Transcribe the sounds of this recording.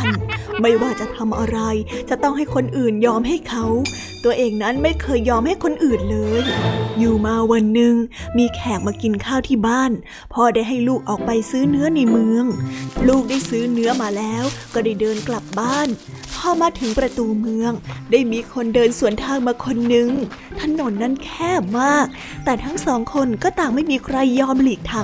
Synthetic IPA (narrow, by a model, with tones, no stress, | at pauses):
a˧˩nma˥˩jwaː˥˩t͡ɕa˨˩t̪ʰa˧mʔa˧ɾa˧jt͡ɕa˨˩t̪ɔ˥˩ŋɦa˥˩jkʰo˧nʔɯː˨˩njɔː˧mɦa˥˩jkʰa˦˥w | t̪u˧ɐʔeː˨˩ŋna˦˥nma˥˩jkʰɤː˧jːɔː˧mha˥˩jkʰo˧nʔɯː˨˩nlɤː˧jːuː˨˩maː˧wa˧nːɯ˨˧ŋmiː˧kʰɛː˨˩k̚maː˧ki˧nkʰaː˥˩wt̪ʰiː˥˩baː˥˩n | pʰɔː˥˩daː˥˩jɦa˥˩jluː˥˩k̚ʔɔː˨˩k̚pa˧jsɯː˦˥nɯ˦˥ɐna˧jmɯ˧əŋluː˥˩k̚daː˥˩jsɯː˦˥nɯ˦˥ɐmaː˧lɛː˦˥wkɔː˥˩daː˥˩jdɤː˧nkla˨˩p̚baː˥˩n | pʰɔː˧˥˩maː˧t̪ʰɯ˩˦ŋpɾa˧t̪uː˧mɯ˧əŋdaː˥˩jmiː˧kʰo˧ndɤː˧nsu˨˩ənt̪ʰaː˧ŋmaː˧kʰo˧nːɯ˨˩ŋ | t̪ʰa˧˥˩no˨˩˦nːa˦˥˩nkʰɛː˥˩p̚maː˥˩k̚ | t̪ɛː˨˩t̪ʰa˦˥ŋsɔː˩˦ŋkʰo˧nkɔː˥˩t̪aː˨˩ŋma˥˩jmiː˧kʰɾa˧jːɔː˧mliː˨˩k̚t̪ʰa˧m